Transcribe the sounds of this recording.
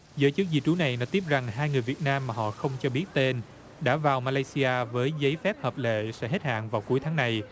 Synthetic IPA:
zəː˨˦jt͡ɕɨ˦˥k̚zḭ˧t͡ɕu˨˦na˨˩jnɔ˨˦t̪i˦˥əp̚za˨˩ŋɦaː˧jŋɨ˨˩əjvi˨˩ət̚naː˧mːaː˨˩ɦɔ̰˧˨xə˧wŋ͡mt͡ɕɔ˧ɓi˦˥ət̚t̪e˧n | ɗa̰ː˧˥vaː˨˩wmaː˧laː˧jsi˧ʔaː˧vəː˨˦jzə˨˦jfɛ˦˥p̚həː˨˩p̚lḛ˧˨sɛ̰˧˥ɦe˦˥t̚ha̰ː˧˨nvaː˨˩wku˨˦jt̪ʰaː˨˦ŋna˨˩j

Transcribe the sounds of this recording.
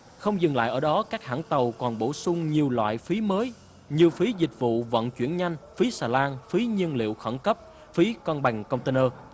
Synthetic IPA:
xə˧wŋ͡mzɨ˨˩ŋla̰ː˧˨jʔəː˧˩ɗɔ˨˦kaː˦˥k̚haː˧˥ŋt̪ə˨˩wkɔ˨˩nɓo˧˩sʊ˧ŋ͡mɲi˨˩əwlwa̰ː˧˨jfi˨˦məː˨˦j | ɲi˨˩əwfi˨˦zï˨˩k̟̚vṵ˧˨və̰˧˨nt͡ɕwi˧˩ənɲa˧jŋ̟fi˨˦saː˨˩laː˧nfi˨˦ɲi˧ənlḭ˧˨əwxə˧˩nkə˦˥p̚ | fi˨˦kɔ˧nɓa˨˩jŋ̟kə˧wŋ͡mt̪e˧nəː˧

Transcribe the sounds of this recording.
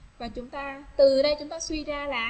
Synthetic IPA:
vaː˨˩t͡ɕʊ˨˦ŋ͡mt̪aː˧t̪ɨ˨˩ɗə˧jt͡ɕʊ˨˦ŋ͡mt̪aː˧swi˧zaː˧la̰ː˧˨˩

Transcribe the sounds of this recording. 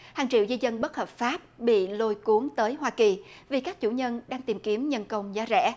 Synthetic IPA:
haː˨˩ŋt͡ɕḭ˧˨wzi˧zə˧nɓə˦˥t̚həː˨˩p̚faː˦˥p̚ɓḭ˧˨lo˧jku˨˦əŋt̪əː˨˦jɦwaː˧ki˨˩vi˨˩kaː˦˥k̚t͡ɕṵ˧˩ɲə˧nɗaː˧ŋt̪i˨˩mki˨˦əmɲə˧nkə˧wŋ͡mzaː˨˦zɛ̰˧˥

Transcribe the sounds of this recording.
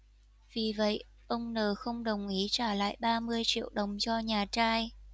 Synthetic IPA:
vi˨˩və̰˧˨j | ʔə˧wŋ͡mnəː˨˩xə˧wŋ͡mɗə˨˩wŋ͡mʔi˨˦t͡ɕaː˧˩la̰ː˧˨jɓaː˧mɨ˧əjt͡ɕḭ˧˨əwɗə˨˩wŋ͡mt͡ɕɔ˧ɲaː˨˩t͡ɕaː˧j

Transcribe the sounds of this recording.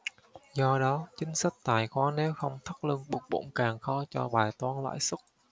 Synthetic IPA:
zɔ˧ɗɔ˨˦t͡ɕï˨˦ŋ̟sə˦˥jk̟̚t̪aː˧˩jxwaː˨˧˦nɛ˨˦wxə˧wŋ͡mt̪ʰə˦˥t̚lɨ˧ŋɓʊ˨˩k͡p̚ɓo̰˧˥nkaː˨˩ŋxɔ˧˦t͡ɕɔ˧ɓaː˨˩jt̪waː˧nla̰ː˧˥jsə˦˥t̚

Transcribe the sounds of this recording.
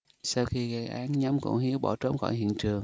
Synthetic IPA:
saː˧wxi˧ɣa˧˩jʔaː˨˦nɲa˧˦mkʊ̰˧˥ŋ͡mɦi˨˦əwɓɔ̰˧˩t͡ɕo˧˦wŋ͡mxɔ̰˧˩jɦḭ˧˨ənt͡ɕɨ˨˩əŋ

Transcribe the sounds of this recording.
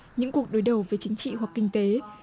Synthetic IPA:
ɲɨ̰˧˥ŋku˨˩ək̚ɗo˨˦jɗə˨˩wvəː˨˦jt͡ɕï˨˦ŋ̟t͡ɕḭ˧˨hwa˨˩kkï˧ŋ̟t̪e˨˦

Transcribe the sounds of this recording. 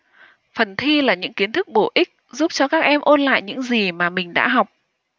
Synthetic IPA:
fə˨˩nt̪ʰi˧laː˨˩ɲɨ̰˧˥ŋki˨˦ənt̪ʰɨ˦˥k̚ɓo˧˩ʔi˦˥k̟̚zu˦˥p̚t͡ɕɔ˧kaː˦˥k̚ʔɛ˧mʔo˧nla̰ː˧˨jɲɨ̰˧˥ŋzi˨˩maː˨˩mï˨˩ŋ̟ɗa̰ː˧˥ɦɔ˨˩wk͡p̚

